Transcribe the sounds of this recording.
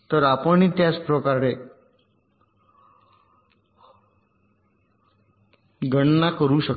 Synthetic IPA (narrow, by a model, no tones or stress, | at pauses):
t̪əɾapəɳit̪jat͡spɾəkaɾe | ɡəɳnakəɾuɕək